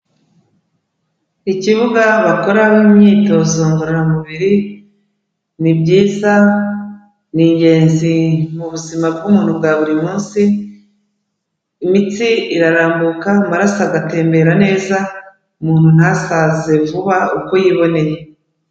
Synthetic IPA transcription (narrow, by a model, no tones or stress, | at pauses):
iciβuɡaβako̞ɾaβimɲiːto̞zoːŋɡoɾeɾamuβiɾi | nibɟiːza | niːɲɟe̞ːnzimuβuzimab̚ɡumuːn̥hubɡaβuɾimuːnsi | mit͡siiɾaɾaːmbukaumaɾasaɡate̞ːmbe̞ɾane̞ːza | umuːn̥hun̥hasaze̞vuβauko̞jiːβo̞ne̞je